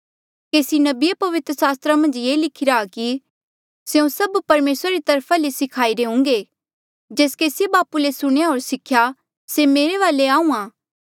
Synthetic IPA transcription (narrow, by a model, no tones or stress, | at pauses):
keːsinɐbɪjapɐʋɪt̪ɾəsaːst̪ɾamɐ̃nd͡ʒjeːlɪkʰɪɾaːki | seũsɐbpɐɾmeːsɾaɾit̪ɐɾpʰalesɪkʰaːiɾeɦʊ̃ŋɡe | d͡ʒeːskeːsjebaːpulesʊɽ̃ejaɦoːɾsɪkʰja | semeːɾeʋaːleaːũːãː